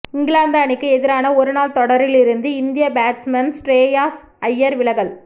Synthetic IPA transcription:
ɪŋɡɪɭaːnd̪aːnɪkːɯɛðɪɾaːnɐɔɾɯnaːlt̪ɔɽɐɾɪlɪɾɯnd̪ɯɪnd̪ɪjɐbaːʈsmɐnsʈɾeːjaːs | ɐjːɐɾʋɪlɐɣɐɭ

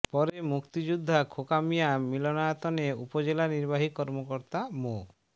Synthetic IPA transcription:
pɔɾemukt̪id͡ʒud̪ʱːakʰokamijamilɔnajat̪ɔneupɔd͡ʒelaniɾbaɦikɔɾmokɔɾt̪amo

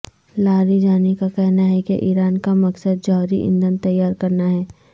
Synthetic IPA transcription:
laːɾid͡ʒaːnekakɛɦnaɦɛkeʔiːɾaːnkamɐksəd̪̚d͡ʒɔɦɾiʔɪ̰̃nd̪ənt̪ɐjːaːɾkɐɾnaɦɛː

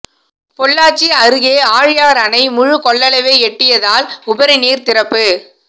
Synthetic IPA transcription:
pɔɭːaːt͡ʃːiɐɾɯɣeːaːɻɪjaːɾɐnɐɪmʊɻʊkɔɭːɐlɐʋeːɛʈːɪjɐðaːlʊbɐɾɪniːɾt̪ɪɾɐpːɯ

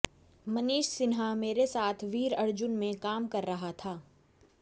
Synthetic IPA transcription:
mɐniːʃsɪnɦameːɾesaːt̪ʰʋiːɾɐɾd͡ʒʊnmẽkaːmkɐɾːɐɦat̪ʰaː

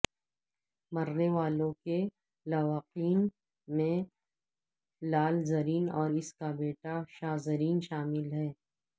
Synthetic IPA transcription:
mɐɾneʋaːlõke | laʋaqiːn | mẽ | laːlzɐɾiːnɔːɾɪskabeːʈaʃaːzəɾiːnʃaːmɪlɦɛː

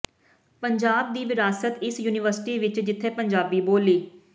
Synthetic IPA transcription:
pəɲd͡ʒaːb̚d̪iːʋɪɾaːsət̪ɪsjuːnɪʋəɾsɪ̥ʈiːʋɪt͡ʃd͡ʒɪt̪ʰːeːpəɲd͡ʒaːbiːboːliː

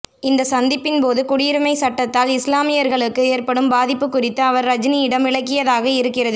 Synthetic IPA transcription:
ɪnd̪ɐsɐnd̪ɪpːɪnpoːðɯkʊɽɪjɪɾɯmɐɪsɐʈːɐt̪ːaːlɪslaːmɪjɐɾɣɐɭɯkːɯeːɾpɐɽɯmbaːðɪpːɯkːʊrɪt̪ːɯɐʋɐɾɾɐd͡ʒniɪɽɐmɪɭɐk̬ːɪjɐðaːɣɐɪɾɯkːɪrɐðɯ

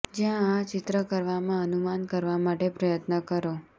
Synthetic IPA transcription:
d͡ʒjãat͡ʃɪt̪ɾəkəɾʋamãənumankəɾʋamaʈepɾəjət̪nəkəɾo

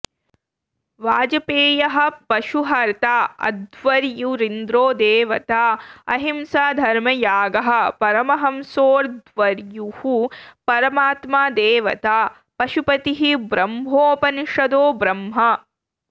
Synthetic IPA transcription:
ʋaːd͡ʒɐpeːjɐɦɐ̆pɐʃuɦɐɾt̪aːɐ̰d̪ʋɐɾjuɾind̪ɾoːd̪eːʋɐt̪aːɐ̰ɦimsaːd̪ʱɐɾmɐjaːɡɐɦɐ̆pɐɾɐmɐɦɐmsoːɾd̪ʋɐɾjuhupɐɾɐmaːt̪maːd̪eːʋɐ̰t̪aː | pɐʃupɐt̪iɦibɾɐmɦoːpɐnʂɐd̪oːbɾɐmɦɐ

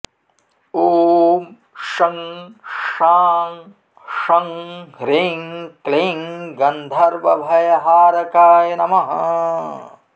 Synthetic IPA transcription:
oːm | ʃɐŋ | ʂaːŋ | ʂɐŋɦɾeŋkleŋɡɐnd̪ʱɐɾʋɐbʱɐjɐɦaːɾɐkaːjɐnɐmɐɦɐ

